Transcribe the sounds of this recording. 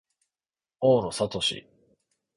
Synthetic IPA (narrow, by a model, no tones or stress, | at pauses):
oːɾosat̪o̞ɕḭ